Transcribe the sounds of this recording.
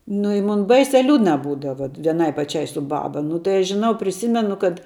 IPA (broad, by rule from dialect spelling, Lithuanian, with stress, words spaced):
nʊ ɪ ˈmʊn ˈbɐɪsʲɛ ˈlʲuːdnɐ ˈbuːdɐʋɐ ʋʲiɛˈnɐɪ pɐˈt͡ʃʲɛɪ sʊ ˈbɑːbɐ nʊ tɐɪ ˈɐʃ ʒʲɪˈnɐʊ pʲrʲɪˈsʲiːmʲɛnʊ kɐt